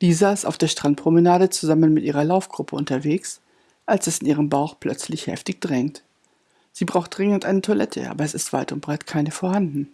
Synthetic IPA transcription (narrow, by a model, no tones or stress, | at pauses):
d̥iːzaɪsta̰ʊfd̥eːɐʃtʁ̥ant̚pʁ̥omənaːɾət͡suzamənmɪtʔiːʁɐlaʊfɡ̥ʁʊpʰəʊntɐveːks | ʔalsɛsɪnʔiːʁ̞əmbaʊxpʰl̥œt͡slɪçhɛ̰ftɪçd̥ʁɛŋt | z̥iːbʁaʊxt̚d̥ʁɪŋəntʔaɪnətʰoɐlʔɛ̰tʰə̰ʔa̰ːbɐɛsɪstv̥a̰ɪtʊntb̥ʁaɪtkʰaɪnəfoːɐhandn̩